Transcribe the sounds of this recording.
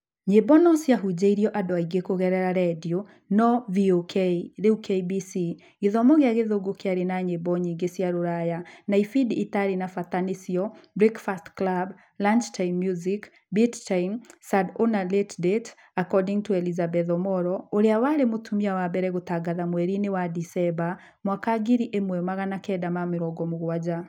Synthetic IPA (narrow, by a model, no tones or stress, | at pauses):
ɲebɔnɔsjaɦud͡ʒaiɾiɔʔadɔaiɡekoɣɛɾɛɾaɾɛdio | nɔviokʰeðeukʰeibisi | ɡeðɔmɔɣeaɣeðoɡokeaɾenaɲebɔɲiŋɡesjaɾoɾajanaifiditaɾinafatanesjɔbɾikfastklab | land͡ʒtainmjuzik | bittainsadonaletdet | akɔdiŋɡtuɛlizabɛðɔmɔɾɔoɾeawaɾemotʰumiawabɛɾɛɣotaɡaðamwɛɾinewadisɛba | mwakaɡiɾiʔemwɛmaɣanakɛdamameɾɔɡɔmoɣwad͡ʒa